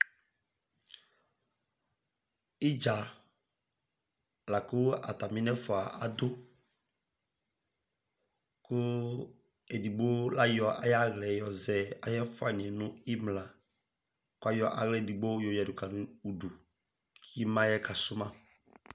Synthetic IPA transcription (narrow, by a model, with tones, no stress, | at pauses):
ɪ˦d͡ʒa˨ | la˨kʊ˦a̰˨ta˨mi˦nɛ˦fɔ˨a˨ʔa˨dʊ˦ | kʊ˦ | e˨di˨bo˦la˦jɔ˨ʔa̰˨ja˦ɣlɛ˨jɔ˨zɛ˨a˨jɛ˦fʊ˦a˨n˨ɛ˨nʊ̃˦ɪ˦mlã˨ | kʊ˦a˦jɔ˦ʔa˨ɣlɛ˦˨di˨bo˦jo˨jɛ˨dʊ˨ka˨nʊ˨u˨du˨ | ki˦mã˦jɛ˦ka˨sʊ˦mã˦